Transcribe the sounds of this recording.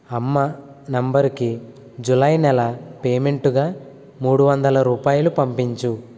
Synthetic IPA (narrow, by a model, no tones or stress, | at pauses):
ɐmːɐ | nɐmbɐɾki | d͡ʒulɐjnɛlɐpeːme̞ɳʈuɡaː | muːɽuʋɐnd̪ɐlɐɾuːpaːjɐlupɐmpiɲt͡ʃu